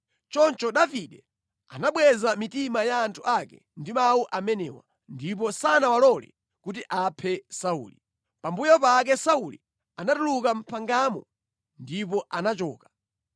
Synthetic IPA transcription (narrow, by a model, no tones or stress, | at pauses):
t͡ʃɔnt͡ʃɔɗaviɗɛ | a̰naɓwɛzamitimajaːntʰuakɛ̰ | ndimawuʔamɛnɛ̰wa̰ | ndip̬ɔsanawalɔlɛ̰ | kut̬iʔapʰɛsaṵːli | pambujɔpak̬ɛsaulḭ | anatulukam̩pʰaŋɡamɔ | ndipɔʔanat͡ʃɔ̰ːkḁ